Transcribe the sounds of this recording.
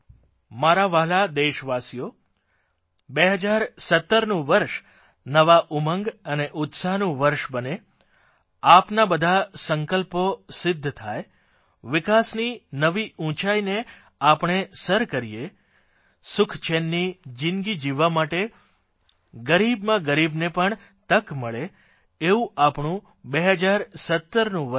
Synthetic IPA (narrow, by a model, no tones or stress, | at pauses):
maɾaʋaɦlad̪eʃʋasijo | beɦəd͡ʒaɾsət̪ːəɾnũʋəɾʃ | nəʋaʔuməŋɡəneʔʊt̪saɦnũʋəɾʃbəne | apnabəd̪ʱasəŋkəlposɪd̪ʱːt̪ʰaj | ʋɪkasninəʋiũt͡ʃaine | apɳ̃esəɾkəɾije | sʊkʰt͡ʃʰenːid͡ʒɪnɡid͡ʒiʋamaʈe | ɡəɾibmãɡəɾibnepəɳ | t̪əkməɭeː | ũʔapɳũ | beɦəd͡ʒaɾsət̪ːəɾnũʋə